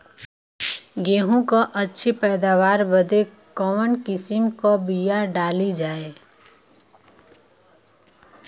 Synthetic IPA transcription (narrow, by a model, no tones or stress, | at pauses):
ɡeːɦõkoʔətːʃʰipɛːd̪aːwaːɾbəd̪e | kɔmənkɪsɪmkobijaɖaːlid͡ʒaːe